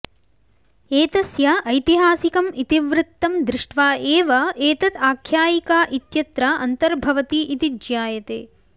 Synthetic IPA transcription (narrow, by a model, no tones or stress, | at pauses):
eːt̪ɐsjɐʔɐjt̪iɦaːsikɐmit̪iʋɾɪt̪ːɐmd̪ɾɪʂʈʋaːeːʋɐeːt̪ɐt̪aːkʰjaːjikaːʔit̪jɐt̪ɾɐɐnt̪ɐɾbʱɐʋɐt̪iʔːt̪id͡ʒjaːjɐt̪ḛː